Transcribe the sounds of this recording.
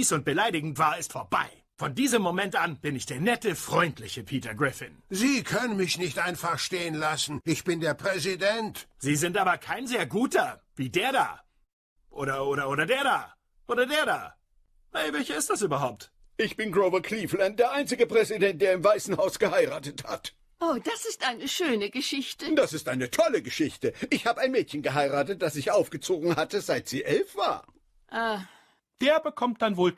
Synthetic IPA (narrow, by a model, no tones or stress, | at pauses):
sʊnt̚b̥əlaɪɾɪɡŋ̩tv̥aːɐɪstfoːɐba̰ɪ | fɔndiːzəmːomɛntʔanb̥ɪnɪçd̥eːɐnɛtəfʁ̥ɔʏntʰlɪçəpʰiːtɐɡʁɪfɪ̰nziːkʰœnənmɪçnɪçtʔaɪnfaχʃteːənlasn̩ʔɪçb̥ɪndeːɐpʁ̥ɛzidɛntz̥iːzɪntʔaːbɐkʰaɪnzeːɐɡuːtɐviːdeːɐda̰ː | ʔoːɾɐʔoːɾɐʔoːɾɐdeːɐdaː | ʔoːɾɐdeːɐdaː | ɛvɛlçɐɪstd̥asyːbɐɦaʊp̚t | ʔɪçb̥ɪnɡʁoʊvɐkʰliːflant̚d̥eːɐʔaɪnt͡sɪɡəpʁ̥ɛzidɛnt̚d̥eːɐɪmvaɪsn̩haʊsɡ̥əhaɪʁaːtətha̰t | ʔoːd̥asɪstʔaɪnəʃøːnəɡəʃɪçtəd̥asɪstʔaɪnətʰɔləɡəʃɪçtəʔɪçhaːbəaɪnmɛːtçənɡəɦaɪʁaːtət̚d̥asɪçʔaʊfɡ̥ət͡soːɡŋ̩hatəzaɪtz̥iːʔɛlfv̥a̰ːn | ʔa | d̥eːɐbəkʰɔmt̚d̥anvoːl